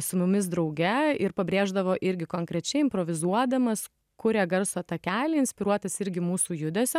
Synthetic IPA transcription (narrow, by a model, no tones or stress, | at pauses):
sʊmʊmʲɪs̬d̪ɾɐʊɡʲɛɪɾpɐbʲɾʲeːʒd̪ɐʋoːʔɪɾʲɡʲɪkoːŋkɾʲɛt͡ʃʲɛɪɪmpɾoːʋʲɪzuɔd̪ɐmɐs | kʊɾʲeːɡɐɾsoːt̪ɐkʲæːlʲɪɪnsʲpʲɪɾuɔt̪ɐsɪɾʲɡʲɪmuːsuːjʊd̪ʲɛsʲɛ